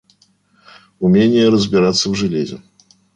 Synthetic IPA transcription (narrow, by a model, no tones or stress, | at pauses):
ʊmʲenʲɪjəɾəzʲbʲɪɾat̪sːəvʐɨlʲezʲɪ̰